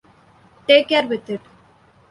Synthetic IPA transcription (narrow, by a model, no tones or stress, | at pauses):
ʈeːkːɛɾʋɪt̪ɪʈ